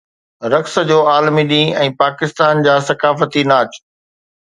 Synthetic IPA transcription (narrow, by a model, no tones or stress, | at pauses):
ɾɐks̆d͡ʑoːaːlmiɗĩːɛ̃ːpaːkɪst̪aːnd͡ʑaːsɐkaːfət̪inaːt͡ɕ